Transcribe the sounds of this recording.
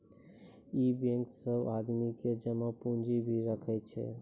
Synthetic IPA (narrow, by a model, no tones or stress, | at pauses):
ibẽŋksəbad̪miked͡ʒəmə̃pũnd͡ʒibʱiɾəkʰɛt͡ʃʰɛ̰